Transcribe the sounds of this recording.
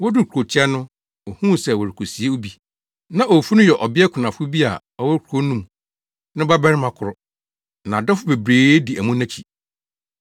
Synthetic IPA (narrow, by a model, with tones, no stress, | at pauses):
wɔ˦dʊ˦kʰu˨o˨t͡ɕʰi˦ɛ˦nʊ̃˦ | o˨hũː˦˨sɛ˨wɔ˨ɾɪ˨kʰo˨si˨˦e˦o˦bi˦ | nã˦ʔo˨fu˦nʊ̃˦jɛ˨ʔɔ˨bɪ˦ɛ˦kʰʊ˨nã˨fʊ˦bi˦a̰˨ | ɔ˦wɔ˦kʰu˨o˦nũ˦m | nʊ̃˦ba˦bɛ˦ɾɪ˦mã˨kʰʊ˨ɾʊ˨ | nã˨dɔ˦fʊ˦be˨bɾeː˨˦di˨æ˨mũ˦nã˦t͡ɕʰi˨